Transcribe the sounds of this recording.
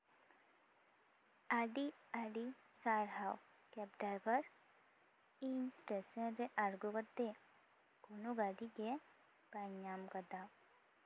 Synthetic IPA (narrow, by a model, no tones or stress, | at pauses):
aɖiaɖi | saːɾɦaw | kɛp̚ɖɾaːjbəɾ | iːnsʈesẽɾeʔaɾɡokət̪ːe | konuɡaɖike | baɲaːmkəd̪a